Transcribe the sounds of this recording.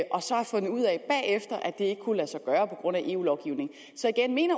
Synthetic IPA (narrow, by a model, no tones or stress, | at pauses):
ʔɒ̽sɒ̽hɑ̈fɔ̽n̰ð̩ˠuð̰ˠɛb̥ɛ̰ːefd̥ɐʔæd̥e̝e̝ɡ̥əkʰulæsɑ̈ɪɡ̥ɶːɐpʰɒ̽ɡ̥ʁɔ̽n̰æʔe̝̰ːṵːlɒʊɡ̥iʊ̰ne̝ŋ̩ | sɒ̽iɡ̥enme̝̰ːnɐ